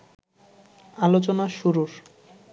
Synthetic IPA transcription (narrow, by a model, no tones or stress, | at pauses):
alot͡ɕonaʃuɾuɾ